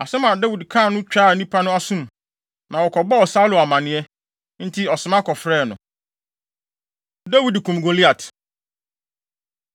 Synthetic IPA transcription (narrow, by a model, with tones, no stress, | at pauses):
a˨sɛ˦mã˨da˦wi˨dkʰã˦˨nʊ̃˦t͡ɕᶣaː˦˨nĩ˦pʰa˦nʊ̃˦a˦sũ˦m | nã˨wɔ˨kʰɔ˨bɔ˦ɔ˨sa˦lʊ˨a˨mã˨nɪ̃˨ɛ˦ | n̩˦tʰi˦ɔ˨sɪ̃˨mã˦kʰɔ˨fɾɛː˦˨nʊ̰̃˨ | da˦wi˨dkʰũ˨mɡo˨li˦a˨tʰ